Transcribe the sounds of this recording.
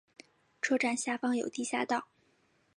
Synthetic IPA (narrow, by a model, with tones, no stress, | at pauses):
ʈ͡ʂʰɤ˥ʈ͡ʂa˥˩nɕja˥˩fɑ˥ŋjo˨˩ʊt̪i˥˧ɕja̰˥˧t̪ɑ˥˩ʊ